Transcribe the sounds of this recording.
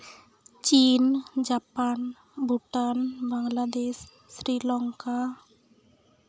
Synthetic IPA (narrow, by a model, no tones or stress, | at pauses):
t͡ʃind͡ʒapan | bʱuʈanbaŋlad̪eʃː | ɾilɔŋka